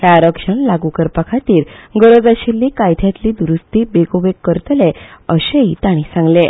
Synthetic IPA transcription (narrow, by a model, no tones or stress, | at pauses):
ɦjaːɾəkʂəɳlaɡukəɾpakʰat̪iːɾɡəɾod͡zəɕilːiːkajt̪ʰjat̪liːd̪uɾust̪iːbeɡoʋekːəɾt̪əleəɕəit̪aɽ̃ĩsãŋɡle